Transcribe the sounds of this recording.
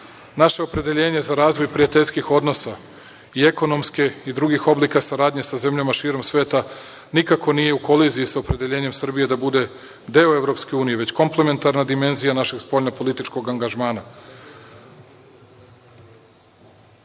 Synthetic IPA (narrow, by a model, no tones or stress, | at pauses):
naʃe̞opɾe̞d̪eʎe̞ːɲe̞zaɾaːzʋo̞jpɾiat̪e̞ʎʲskixo̞d̪no̞sa | ie̞ko̞no̞mskeid̪ɾuɡixo̞blikasaɾaːd̪ɲe̞saze̞mʎamaʃiːɾo̞msʋeːt̪a | nikako̞nije̞uko̞liziisaopɾe̞d̪eʎe̞ːɲe̞msr̩bije̞d̪abud̪e̞ | d̪eoe̞vɾo̞pske̞uːnijeʋe̞t͡ɕko̞mplˠe̞me̞nt̪aɾnad̪ime̞nzijanaʃe̞ɡspo̞ʎnopo̞lit̪it͡ʃko̞ɡaŋɡaʒmaːna